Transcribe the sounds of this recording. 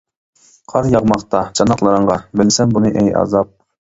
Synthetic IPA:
qʰɑɾjɑʁmɑχt̪ɑt͡ʃʰɑnɑqlˠɑɾəɴʁɑbɪlsɛnbunɨʔɛjɑ̰zɑp̚

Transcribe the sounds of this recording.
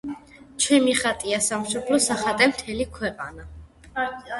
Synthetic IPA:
t͡ʃʰɛmiχat̪ʼiasamʃɔblɔsaχat̪ʼɛmt̪ʰɛlikʰwɛqʼana

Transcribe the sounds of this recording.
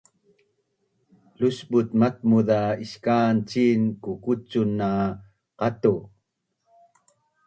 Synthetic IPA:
lusbut̪mat̪̚muðaiɕkaːnt͡ʃinkukut͡sunːa | qat̪u

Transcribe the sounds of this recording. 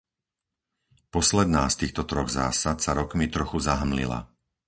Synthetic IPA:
pɔslɛd̪naːst̪iːxt̪ɔt̪ɾɔɣza̰ːsat̪saɾɔkmit̪ɾɔxuzaɦmlḭla̰

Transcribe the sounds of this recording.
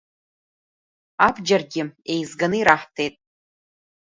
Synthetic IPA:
abd͡ʒarɡʲɪe̞jzɡanɨiɾaħtʰe̞jtʼ

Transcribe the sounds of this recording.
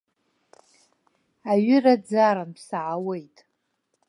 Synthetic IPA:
aɥɪrad͡zaɾanpʰsaʕawe̞jtʼ

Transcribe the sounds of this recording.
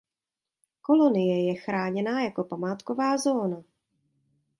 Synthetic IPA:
ko̞lo̞nɪjɛjɛxɾaːɲɛnaːjako̞pamaːt̪kovaːzo̞ːna

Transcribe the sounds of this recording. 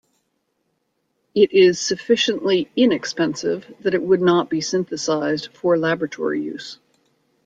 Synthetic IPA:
ɪɾʔɪz̥sɨfɪʃɨ̃nʔliɪ̃nɨkspɛ̃nsɪ̰vðɨɾɨʔ̚wədⁿnət̚b̥isɪ̃nθɨsaɪzd̥fə˞læbɹɨtʰɔ̰ɹḭjʉ̰z̥

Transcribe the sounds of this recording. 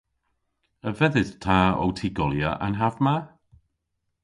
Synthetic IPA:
əvɛðɨð̥tʰaːɔ̰wtʰiɡɔlˠjaʔə̰nɦavma

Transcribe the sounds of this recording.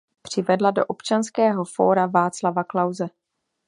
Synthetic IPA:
pr̝̥ɪvɛdlado̞ʔopt͡ʃanskɛːɦo̞fo̞̰ːɾavaːt͡slavaklawzɛ

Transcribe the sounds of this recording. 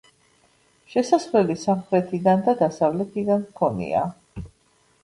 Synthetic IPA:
ʃɛsaslɛlisamχɾɛt̪ʰid̪and̪ad̪asavlɛt̪ʰid̪anmkʰɔnḭa̰

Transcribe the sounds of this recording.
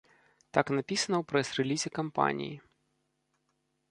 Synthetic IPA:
t̪aknɐpʲisɐnɐwpɾɛsrɛlʲizʲɪkɐmpa̰nʲḭji

